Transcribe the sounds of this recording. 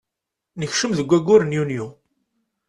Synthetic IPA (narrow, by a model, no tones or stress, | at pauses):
nəçʃəmðəɡʷːæɡːʊɾənjunju